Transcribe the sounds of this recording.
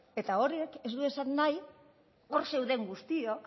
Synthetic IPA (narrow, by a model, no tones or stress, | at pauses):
e̞t̪ao̞ɾieke̞zd̪ue̞sanːaj | o̞ɾse̞wðe̞ŋɡust̪io̞k